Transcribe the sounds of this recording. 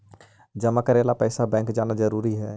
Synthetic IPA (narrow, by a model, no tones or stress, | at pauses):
d͡ʒəmakəɾeːlapɛːsabɛ̃ːŋkd͡ʒaːnad͡ʒəɾuːɾiɦɛː